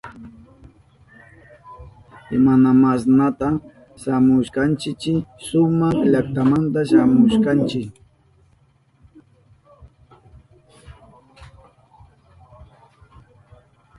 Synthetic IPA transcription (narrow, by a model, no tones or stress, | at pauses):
ɪmanamasnat̪a | ʃamʊʃkant͡ʃɪt͡ʃɪsʊmaχʎakt̪amant̪aʃamʊʃkant͡ʃɪ